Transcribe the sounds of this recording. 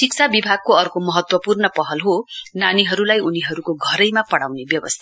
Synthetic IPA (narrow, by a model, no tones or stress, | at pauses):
sikt͡sʰabibʱaɡ̚koʌrkomʌɦʌt̪wʌpurnʌpʌɦʌlɦonaniɦʌɾulajuniɦʌɾukoɡʱʌɾʌjmapʌɽawnebjʌbʌst̪ʰa